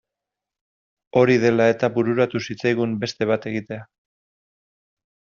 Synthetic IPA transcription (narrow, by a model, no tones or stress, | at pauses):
o̞ɾiðe̞lae̞t̪aβuɾuɾat̪usit͡sajɣumbe̞st̪e̞β̞at̪e̞ɣit̪e̞a